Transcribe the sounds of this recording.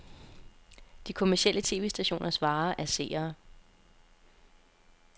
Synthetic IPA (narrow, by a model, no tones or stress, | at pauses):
d̥ikʰo̝mæɐsiel̰ət͡sʰe̝̰ːʋe̝ːsd̥æɕo̝̰ːnɐsʋɑ̈ːʔæɐse̝̰ːɐː